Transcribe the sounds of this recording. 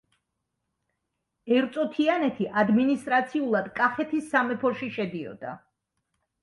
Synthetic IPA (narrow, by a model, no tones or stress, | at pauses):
ɛɾt̪sʼɔt̪ʰianɛt̪ʰiʔad̪minist̪ʼɾat̪sʰiulˠad̪kʼaχɛt̪ʰisːamɛpʰɔʃiʃɛd̪iɔ̰d̪̥a̰